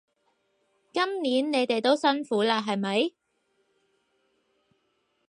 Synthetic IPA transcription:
kɐ˥mniː˨˥nne˨˧jt̪e˨jt̪o˥wsɐ˥nfuː˨˥laː˧ɦɐ˨jmɐ˨˥j

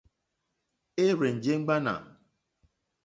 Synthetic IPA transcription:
e˦ɾe˨n̩˨d͡ʒe˦ŋ͡m̩˦ɡ͡ba˦na̰˨

